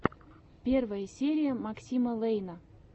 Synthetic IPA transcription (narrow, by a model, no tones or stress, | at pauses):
pʲervəjəsʲeɾʲijəmɑksʲiməlˠejnə